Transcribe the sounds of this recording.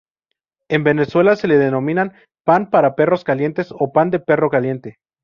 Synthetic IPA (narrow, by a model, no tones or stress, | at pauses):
e̞mbe̞ne̞swe̞lase̞leðeno̞mĩnan | panpaɾape̞ro̞skalje̞nt̪e̞so̞pand̪e̞pe̞ro̞kalje̞nt̪e̞